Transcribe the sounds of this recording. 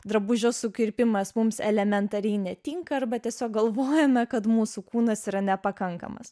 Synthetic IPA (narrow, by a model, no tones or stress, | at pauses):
d̪ɾɐbʊʒʲoːsʊkʲɪɾʲpʲɪmɐsmʊmsɛlʲɛmʲɛnt̪ɐɾʲɛɪnʲɛt̪ʲɪŋkɐɐrbɐt̪ʲiɛsʲoːk̚ɡɐlˠʋoːjɛmɐkɐt̪muːsukuːnɐsiːɾɐnʲɛpɐkɐŋkɐ̰mɐ̰s